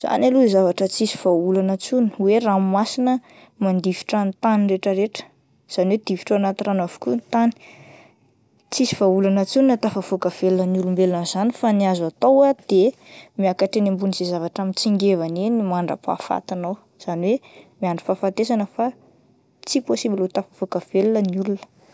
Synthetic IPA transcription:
z̥a̰naluizavaʈ͡ʂət͡sisi̥v̥aulanət͡suni̥werammasinə | mand̪ivi̥ʈ͡ʂant̪anireʈ͡ʂəɾeʈ͡ʂə̥ | z̥aniwed̪̥ivi̥ʈ͡ʂaanat̪iranavu̥kʲunt̪ani̥ | t͡sisiv̥aulanət͡sunat̪afav̥okəv̥elunənulumbelnanzanifaniazat̪owad̪̥e | miakaʈ͡ʂenimbuniz̥izavaʈ͡ʂamint͡siŋɡevanenimaɳɖ͡ʐa̰pa̰fa̰t̪inow | z̥aniwemiaɳɖ͡ʐi̥fafant̪esanəfa | t͡siposibilut̪afav̥okəv̥elunəniulunə̥

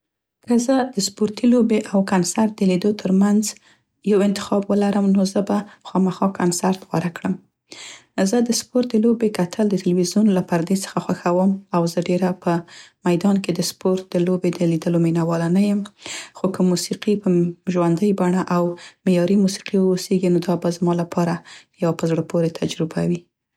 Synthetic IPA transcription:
kəzəd̪̥əspoɾt̪ilobeʔawkansaɾt̪̚d̪əlid̪ot̪ʰəɾmanz | jawɪnt̪ɪ̥xɑbwəlaɾəmnozəbaxɑmaxɑkʰansaɾt̪ɣwa̰ɾakɽəm | zəd̪əspoɾt̪̚d̪əlobekat̪ʰəld̪ət̪alwizjunlapaɾd̪et͡sə̥xaxwaxawəmawzəɖeɾapəmajd̪ɑnked̪əspoɾt̪̚d̪əlobed̪əlid̪əlominawɑlanajəmxokəmusiqipəʒwand̪əjbaɳaʔawmejɑɾimusi̥qiwoseɡinod̪ɑbazmɑlapʰɑɾajawapəzɽəpʰoɾet̪ʰad͡ʒɾɪba̰wi

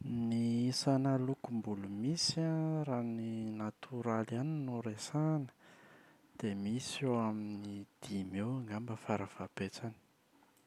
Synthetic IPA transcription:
nisanalukumbulumisaraninat̪ʰuɾalaninuɾesanə̥ | d̪̥emisewaminid̪̥imewŋambəfaɾəv̥abet͡sani̥

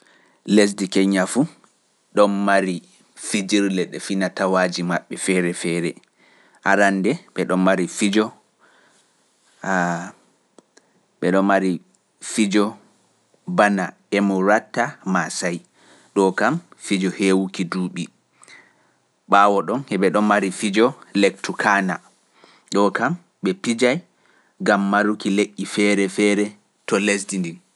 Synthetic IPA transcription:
les̬dikɛɲafu | ɗɔnːaɾi | fid͡ʒiɾlɛɗɛfinatawaːd͡ʒimaɓːɛfɛːɾɛfɛɾɛ | ʔa̰ɾandɛɓɛɗɔnːaɾifid͡ʒɔ | ɓɛɗɔmːaɾi | fid͡ʒɔ | bana | ɛmɔɾatːamasaj | ɗɔkamfid͡ʒɔhewukiduːɓi | ɓaːwɔɗɔnhɛɓɛɗɔnːaɾifid͡ʒɔlek̚tukʰana̰ | ɗɔkam | ɓɛpid͡ʒaj | ɡamːaɾukileʔːifɛɾɛfɛɾɛ | tɔlesdindin

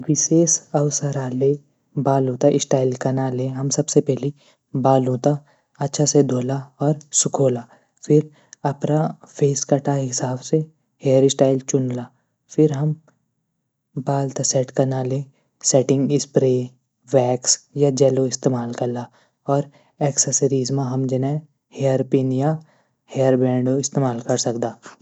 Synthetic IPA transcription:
ʋɪseːsɐʊsəɾaːle | baːlɦũːt̪aʔɪsʈaːɪlkɐnalẽɦɐmsɐbsepɛɦli | baːlɦũːt̪a | ɐtːʃʰased̪ʱoːlaɔːɾsʊkʰoːlaː | fʰɪɾ | ɐpnafʰeːskɐʈaɦɪsaːbse | heːəɾɪsʈaːɪlt͡ʃʊnlaː | fʰɪɾɦɐm | baːlt̪asɛʈkɐnaːle | sɛʈɪ̃ŋɡɪspɾe | wɛːksjad͡ʒɛːloɪst̪eːmaːlkɐɾla | ɔːɾ | ɛːksəsəɾiːzmãɦɐmd͡ʒɐnɛ̃ | hejəɾpiːnja | hejəɾbɛ̃ːɳɖoɪst̪eːmaːlkɐɾsɐkd̪aː

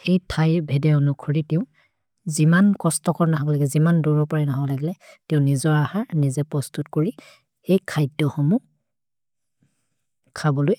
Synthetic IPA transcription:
ejtʰajbʱɛdɛonukʰɔɹitɛʊ̃ | zimankɔstɔkɔɹnaɦabɔlaɡɛzimanduɹɔpɔɹɛnaɦɔɔlaɡilɛtɛʊ̃nizɔɹahanizɛpɹɔstutkoɹi | ejkʰajdɔxɔmu | kʰabɔloj

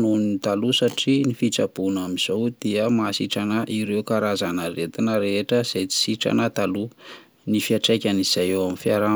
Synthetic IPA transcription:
nuninit̪alusaʈ͡ʂinifit͡sab̥unamiz̥owd̪̥iəmasiʈ͡ʂanəʔiɾewkaɾazanəɾet̪inəɾeʈ͡ʂəz̥et͡si̥siʈ͡ʂa̰nət̪alu | nifiaʈ͡ʂajkʲaniz̥ajewaminfiaɾa

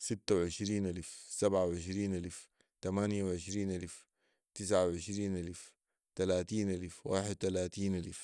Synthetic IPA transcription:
sit̪ːawʕɪʃɾiːnʔalfsabʕawʕɪʃ̬ɾiːnʔalf | t̪amaːnjawʕɪʃɾiːnʔalf | t̪ɪs̬ʕawʕɪʃɾiːnʔalf | t̪alaːt̪iːnʔalfwa̰ːħɪd̪̚t̪alaːt̪iːnʔalf

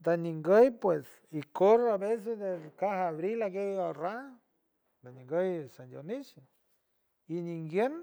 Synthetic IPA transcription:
d̪aniŋɡəjpwes | ikoɾaβes̬esd̪ekahaβɾilaɡeoɾa | d̪aniŋɡəjsandʲjonit͡ʃe | iniŋɡjen

